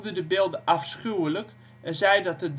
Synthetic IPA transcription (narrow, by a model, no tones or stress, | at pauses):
dədəbɪːlˠdəʔɑfsχywələk | ɛnzɛjdɔt̚əd